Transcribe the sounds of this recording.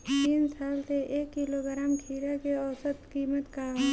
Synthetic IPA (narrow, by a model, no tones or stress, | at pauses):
t̪iːnsaːlseʔeːkːiloɡɾaːmʈʰiːɾakeɔːsət̪kiːmət̪ka